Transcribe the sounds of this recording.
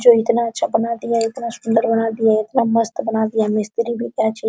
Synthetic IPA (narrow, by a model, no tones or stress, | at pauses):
d͡ʒoit̪nat͡ʃʰabənad̪ijait̪nasʊnd̪əɾbənad̪ijait̪naməst̪bənad̪ijamɪst̪ɾibʱit̪jat͡ʃʰe